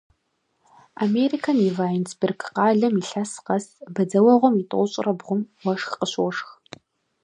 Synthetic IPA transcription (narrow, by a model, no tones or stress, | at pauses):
amerikʰɐnivaːjnsbɪrɡqɑːɮɐmiɬɐsqɐsbɐd͡zɐwɐʁʷɔmitʼɨ̰ʊɕʼɪrɐbʁʷʊmwɐʂxqəɕwʊʂx